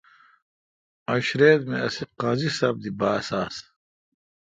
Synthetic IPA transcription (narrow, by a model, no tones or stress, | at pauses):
ɐɕɾeːd̪meɐsiqɐzisɐb̚d̪ibaːsaːs